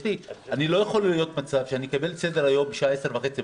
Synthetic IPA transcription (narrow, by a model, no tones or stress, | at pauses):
tianilo̞jaχo̞lijo̞t̪mat͡savʃeanikabe̞lsed̪eʁajo̞mbeʃaesevaχe̞t͡si